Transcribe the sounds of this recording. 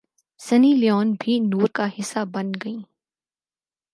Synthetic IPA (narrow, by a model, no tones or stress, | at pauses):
sɐnilɪjɔːnbʱinuːɾkaɦɪsːabɐnɡɐĩː